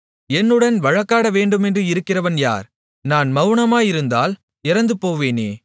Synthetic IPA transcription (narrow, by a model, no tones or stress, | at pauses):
ɛnːɯɽɐnʋɐɻɐkːaːɽɐʋeːɳɖɯmɛndrɯɪɾɯkːɪrɐʋɐnja̰ːɾ | naːnmɐʋɯɳɐmaːjɪɾɯnd̪a̰ːl | ɪɾɐnd̪ɯpoːʋeːneː